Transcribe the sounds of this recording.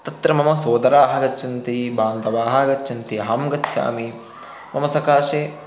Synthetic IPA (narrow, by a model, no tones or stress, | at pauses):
t̪ɐt̪ɾɐmɐmɐsoːd̪ɐɾaːɦɐɡɐt͡ʃt͡ʃʰːɐnt̪ibaːnd̪ɐʋaːɦɐɡɐt͡ʃːʰɐnt̪iɦaːmɡɐt͡ʃːʃʰa̰ːmi | mɐmɐsɐkaːʃeː